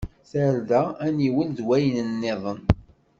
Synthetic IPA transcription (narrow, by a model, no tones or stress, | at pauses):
θəɾðææniwəlðwæjənənːɪðˤən